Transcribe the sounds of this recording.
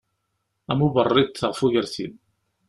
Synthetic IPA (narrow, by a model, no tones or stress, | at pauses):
æmubərˤːid̪θəʁfuʝəɾθḭm